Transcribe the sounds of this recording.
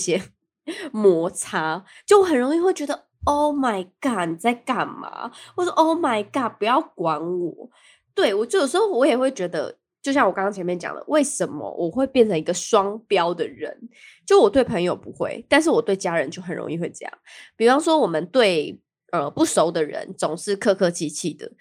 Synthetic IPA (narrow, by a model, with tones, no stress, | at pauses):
ɕjɛ˥ | mwɔ˧˥t͡sʰa˥t͡ɕo˥˩ʊwɔ˨˦xə˨˩nɻo˧˥ŋi˥˧xwe˥˩t͡ɕɥɛ˧˥d̪ə˧˨ | o˥˩ʊma˨˩ɪka˥˩ni˨˩t͡sa˥˩ɪka˨˩nma̰˨˩wɔ˥˧sɔ˥ʔo˥˩ʊma˨˩ɪka˥˩pu˧˦jɑ˥˩ʊkwa˧˥nwɔ˨˩˦ | t̪we˥˩ɪwɔ˨˩t͡ɕjjo˨˩ʂ̩˧˥xo˥ʊwɔ˧˦jɛ˨˩xwe˥˩ɪt͡ɕɥɛ˧˥d̪ə̰˧ | t͡ɕjo˥˧ʊɕjɑ˥˩ŋwɔ˨˩kɑ˥ŋkɑ˥ŋt͡ɕʰɛ˧˥mɛ˥˧nt͡ɕjɑ̰˨˩ŋd̪ə̰˦we˥˩ɪʂə˧˦nmə̰˨wʔɔ˨˩xwe˥˧ɪpjɛ˥˩nʈ͡ʂʰə˧˥ŋi˧˥ɡə˧swɑ˥ŋpjɑ˦˥ʊd̪ə˨ɻə̰˧˦nt͡ɕjo˥˩˥wɔ˨˩t̪we˥˩ɪpʰə˧˥ŋjo˨ʊpu˧˦xwḛ˥˩ɪt̪a˥˧nʂ̬̩˥˩wɔ˨˩t̪we˥˩ɪt͡ɕja˥ɻə˧˦nt͡ɕjo˥˩ʊxə˨˩nɻo̰˧˥ŋi˥˩xwe˥˧ɪʈ͡ʂɤ˥˧jɑ̰˥˩ŋpi˨˩u˦ɑ˥ŋʂwɔ˥wɔ˨˩mə˨nt̪we˥ɪ | ə˧pu˥˩ʂo˧˥ʊd̪ə˨ɻə̰˧˦nt͡so˨˩ŋʂɻ̩˥˧kʰɤ˥˧kʰɤ˥˧t͡ɕʰi˥˧t͡ɕʰi˥˩d̪ə̰˩